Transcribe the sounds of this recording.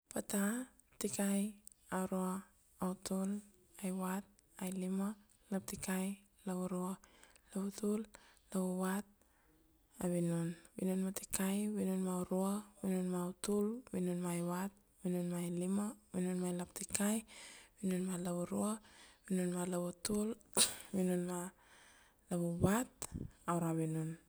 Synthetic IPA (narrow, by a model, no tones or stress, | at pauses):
pata | tikaj | aɾoaː | wtul | ajwat̚ | ajlima | lap̚tikaj | laβuɾualaβutullauwat̚ | a̰βinunwḭnunmatikajβinunmauɾuaβinunmautulβinunmajβat̚ | winunmajlimaβinunmajlap̚tikajbinunmalaβuɾuaβinunmalaβutulβinunma | laβuβatawɾaβinun